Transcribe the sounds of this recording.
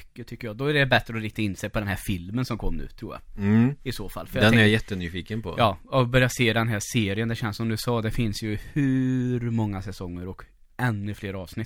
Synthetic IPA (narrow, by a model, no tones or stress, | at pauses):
kːət̪ʰʏkːəɾjɑːd̪ɔæɖɛbɛt̪ɾəɔɾɪkt̪aɪnːseːpʰɔd̪ɛnɦæːɾfɪlmənsɔmkʰɔmːnʉ̰ːt̪ʰːɾuːɾja̰ɪsoːfa̰lːfœɾjad̪ɛnɛɾjajɛt̪ːənyːfiːkənpʰɔ̰jʔɑːɔbœɾjaseːd̪ɛnɦæseːɾɪənd̪ɛɕɛnsɔmd̪ɵsɑːd̪ɛfɪnsjɵhʉ̟ːɾmɔŋːasɛsɔŋːəɾɔk | ɛnːɵfleːɾɑːvsnɪt̪ː